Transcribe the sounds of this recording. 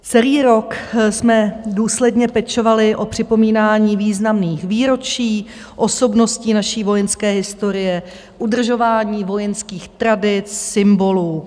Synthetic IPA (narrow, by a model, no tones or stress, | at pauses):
t͡sɛliːɾo̞ksmɛduːslɛdɲɛpɛt͡ʃo̞valɪʔo̞pr̝̥ɪpo̞miːnaːɲiːviːznamniːxviːɾo̞t͡ʃiː | ʔo̞so̞bno̞sciːnaʃiːvo̞jɛnskɛːɦɪst̪o̞ɾɪjɛ | ʔudr̩ʒo̞vaːɲiːvo̞jɛnskiːxt̪ɾadɪt͡ssɪmbo̞luː